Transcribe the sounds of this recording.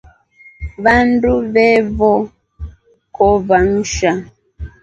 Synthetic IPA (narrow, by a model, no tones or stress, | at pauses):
βanduβɛβɔ | kɔβan̩ʃa